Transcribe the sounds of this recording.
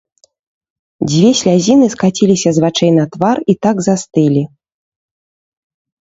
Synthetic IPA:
d͡zʲvʲɛsʲlʲazʲinɨskat͡sʲilʲisʲɐzvat͡ʂɛjnɐt̪varit̪aɡzast̪ɨlʲi

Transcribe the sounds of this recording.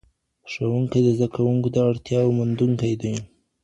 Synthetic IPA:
ʂawuŋkajd̪əzd̪akawuŋkod̪əaɽt̪jɑwmʊnd̪uŋkajd̪əj

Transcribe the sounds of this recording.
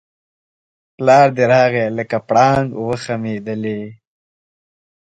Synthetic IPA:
plɑːɾd̪eɾɑːɣeləkapɽɑːŋɡwəxameːd̪əle

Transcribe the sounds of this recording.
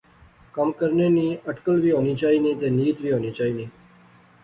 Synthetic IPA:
kəmkəɾneniəʈkəlʋiɦonit͡ʃainit̪enijit̪ʋiɦonit͡ʃaini

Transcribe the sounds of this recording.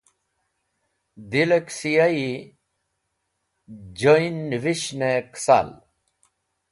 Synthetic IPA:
d̪ileksijai | d͡ʑoinʋiɕneksa̰ːl

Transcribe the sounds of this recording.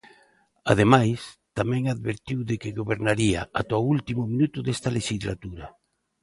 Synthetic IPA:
a̰ð̞emajst̪amɛ̃ŋaðβeɾt̪iwðɪkɪɣoβeɾnaɾia̰ʔat̪oult̪imʊmĩnut̪ʊðest̪ɐleʃizlat̪uɾɐ

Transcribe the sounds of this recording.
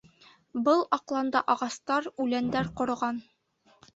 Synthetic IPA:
bɤlˠɑqlˠɑnd̪ɑʔɑʁɑst̪ɑɾʉlænd̪æɾqŏɾɤ̆ʁɑn

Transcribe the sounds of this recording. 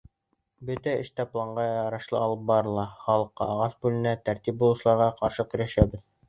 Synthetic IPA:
bɵt̪æɘ̰̆ʃt̪æplˠɑɴɢɑjɑɾɑʃlˠɤ̰ɑlˠɤp̚bɑɾɤ̆lˠɑχɑlˠɤ̆qːɑ̰ːʁɑsbʉlɘ̆næt̪æɾt̪ip̚bulˠusɤ̆lˠɑɾʁɑqɑɾʃɤkɵ̆ɾæʃæbɘð

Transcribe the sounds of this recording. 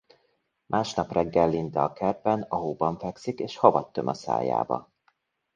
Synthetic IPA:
mʔaːʃnɒprɛɡːɛlːint̪ɛːkɛrpɛnɒɦobɒɱfɛksikeːʃhɒvɒt̪ːømʔɒsa̰ːja̰ːbɒ̰

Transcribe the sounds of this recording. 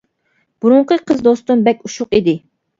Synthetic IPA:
b̥uɾʊɴqʰəqʰəzd̪ost̪umbɛk̚ʲuʃʊqid̪ɪ

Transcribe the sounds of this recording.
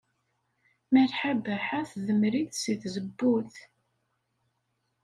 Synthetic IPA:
məlħabæħaθðəmɾiθsiθzəbːuθ

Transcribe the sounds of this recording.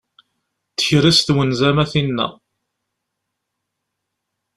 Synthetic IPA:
θə̥çɾist̪wənzæmæθinːæ̰

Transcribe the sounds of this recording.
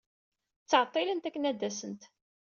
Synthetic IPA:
t͡sːəʕət̪ˤːɪlənt̪ækːənæd̪ːæsənt̪

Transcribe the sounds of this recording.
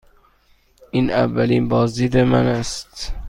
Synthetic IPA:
ʔiːnævːæliːnbɒːzd̪iːd̪emænæst̪

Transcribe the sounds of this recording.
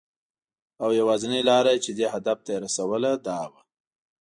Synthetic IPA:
awjawɑzɪnilɑɾat͡ʃed̪ehad̪af̚t̪aeɾasawəlad̪ɑwa

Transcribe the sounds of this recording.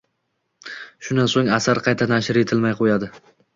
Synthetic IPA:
ʃʊnd̪ansoŋasaɾqʰɑjt̪ʰanaʃɪɾe̞t̪ʰɪlmajqʰojad̪ɪ

